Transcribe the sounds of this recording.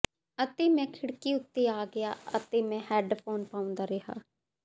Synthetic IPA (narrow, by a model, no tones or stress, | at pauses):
ət̪eːmɛ̃ːkʰɪɽkiːʊt̪ːeːaːɡɪja̰ːə̰t̪eːmɛ̃ːhɛːɖpʰoːnpaːʊ̃nd̪aːɾɪɦa̰ː